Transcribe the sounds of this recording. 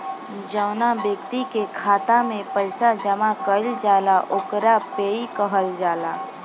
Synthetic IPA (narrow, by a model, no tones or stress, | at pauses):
d͡ʒəʊnabjəkt̪ikekʰaːt̪amẽpəɪsad͡ʒəmakəld͡ʒaːlaʔokɾapeːikəɦəld͡ʒaːlaː